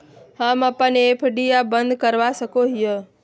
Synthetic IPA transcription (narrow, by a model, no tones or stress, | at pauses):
haːmapənepʰəɖijabənd̪kəɾʋasəkoɦijə